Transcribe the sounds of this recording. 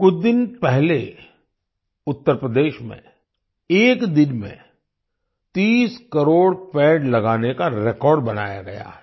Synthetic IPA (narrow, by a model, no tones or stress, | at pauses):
kʊt͡ʃʰd̪ɪnpɛɦle | ʊt̪ːəɾpɾəd̪eːʃmḛ̃ | eːkd̪ɪnmḛ̃ | t̪iːskɐɾoːɽpɛːɖlɐɡaːnekaɾekɔːɾɖbɐna̰ːja̰ɡɐja̰ː